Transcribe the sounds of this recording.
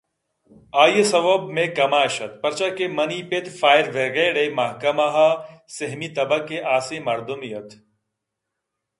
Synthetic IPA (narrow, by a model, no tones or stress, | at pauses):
aːjəsɐʋɐbmẽkɐmaːʃɐt̪pɐɾt͡ʃakemɐniːpet̪faːjɾʋeɡeɽemɐɦkɐmaɦaseɦmit̪ɐbɐkːeʔaːsẽmɐɾd̪umijɐt̪